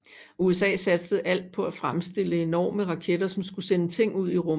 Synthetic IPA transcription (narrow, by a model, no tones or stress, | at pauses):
uesɛ̰ːsæd̥səð̞̩ˠʔæl̰d̥̚pʰɒ̽æfʁamsd̥e̝l̰əe̝nɒ̰ːməʁɑ̈kʰed̥ɐsɒ̽msɡ̥usenət͡sʰe̝ŋ̰uð̞̰ˠiʁɔm